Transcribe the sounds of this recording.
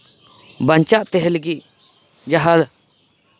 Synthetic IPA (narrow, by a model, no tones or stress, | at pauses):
baɲt͡ʃaʔt̪ɛɦɛləɡiʔ | d͡ʒaɦal